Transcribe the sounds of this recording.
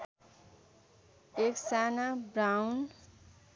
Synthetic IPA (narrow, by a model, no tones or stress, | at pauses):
eksanabɾawn